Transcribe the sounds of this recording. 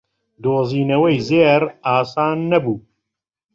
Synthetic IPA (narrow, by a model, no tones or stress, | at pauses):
d̪oːziːnɐwɐjzeːɾaːsaːnːɐbuː